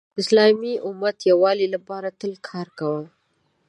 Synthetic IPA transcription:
ɪslɑmiʔʊmat̪jawɑlilapɑɾat̪əlkʰɑɾkawə

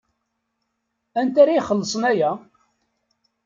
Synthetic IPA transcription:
ænt̪aɾajχəlːəsˤənæjæ

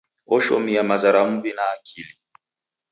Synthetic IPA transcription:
ɔʃɔ̰mijamazaɾamubinaːkʰili

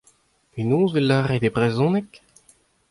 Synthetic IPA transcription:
enõːzelːaːʁed̪ebʁezɔ̃nɛk

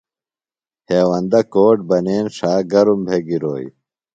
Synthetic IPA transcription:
heːwɐnd̪ɐkoːʈ̚bɐneːnʂaːɡɐɾumbʱeːɡiɾo̰ːj

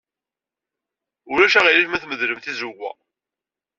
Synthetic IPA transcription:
ʊɾæʃæʁililmæθməðləmθizuɡʷæ̰

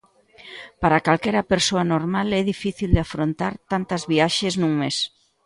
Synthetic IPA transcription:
paɾakalkɛɾapeɾsoanoɾmalɛðifiθild̪eafɾont̪aɾt̪ant̪ɐzβiaʃeznuŋmes

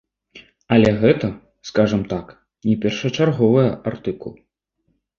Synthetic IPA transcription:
ɐlʲɛɣɛt̪ɐ | skaʐɐmt̪ak | nʲɛpʲɛrʂɐt͡ʂarɣɔvɨjɛʔart̪ɨkulˠ

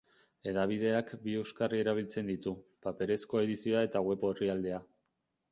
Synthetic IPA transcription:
e̞ðaβið̞e̞akbie̞wskarie̞ɾaβ̞ilt͡se̞nd̪it̪upape̞ɾe̞sko̞e̞ðisioae̞t̪aɣwe̞poeriald̪e̞a

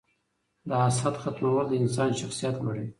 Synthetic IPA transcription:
d̪əasad̪xat̪mawald̪əɪnsɑnʃaxsijat̪laɽi

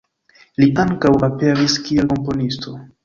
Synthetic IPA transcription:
liʔaŋkawape̞ɾiskielko̞mpo̞nistʰo̞

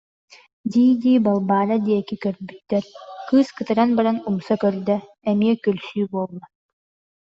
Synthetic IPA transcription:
d̪iːd̪iːbalˠbaːɾad̪iɛkikœɾbyt̪ːɛɾkɯːskɯt̪ɯɾanbaɾanumsɔkœɾd̪ɛ | ɛmiɛkœlsyːbuɔlˠːa

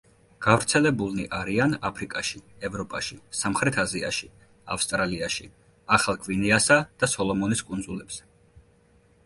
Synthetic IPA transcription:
ɡ̥avɾt̪sʰɛlɛbulˠniʔaɾianapʰɾikʼaʃiɛvɾɔpʼaʃisamχɾɛt̪ʰazia̰ʃi | a̰fst̪ʼɾaliaʃi | aχalˠkʰviniasad̪̥asɔlˠɔmɔniskʼund̪zulɛbsɛ̥

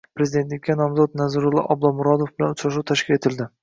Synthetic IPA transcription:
pɾezid̪e̞nt̪lɪkʲːanɒmzɒt̪̚nazɾʊlˠɪ̰ʔɒblˠɒmʊɾɒd̪ofbɪlanʊt͡ʃɾaʃuwt̪ʰaʃkʲɪle̞t̪ʰɪld̪ɪ

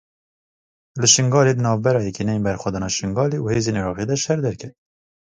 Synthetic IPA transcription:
lɨʃɨŋɡɑːleːd̪ənɑːvbɛɾɑːjɛkenɛjembɛɾxwɛd̪ɑːnɑːʃɨŋɡɑːleːʔuheːzeːniɾɑːʁed̪ɛʃɛɾd̪ɛɾkʰɛ

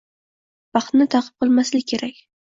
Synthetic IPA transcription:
b̥ɑχt̪nɪt̪ʰɑqʰɨ̥p̚qʰɨlˠmaslɪkʲʰe̞ɾakʲ

